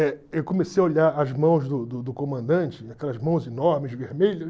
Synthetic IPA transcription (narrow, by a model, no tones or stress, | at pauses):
ɛewkõmesejɐoʎaɾɐzmɐ̃w̃zd̪ʊd̪ʊd̪ʊkõmɐ̃nd̪ɐ̃nt͡ʃɪakɛlɐzmɐ̃w̃zinɔɾmɪzveɾmeʎɐʃ